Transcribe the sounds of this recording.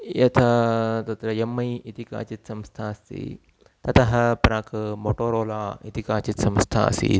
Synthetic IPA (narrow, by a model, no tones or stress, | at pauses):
jɐt̪ʰɐt̪ɐt̪ɾɐemːɐjit̪ika̰ːt͡ʃit̪sɐmst̪ʰaːst̪ʰḭ | t̪ɐt̪ɐɦɐ̆pɾaːkɐmoːʈoːɾoːlaːit̪ikaːt͡ʃit̪sɐmst̪ʰa̰ːsḭ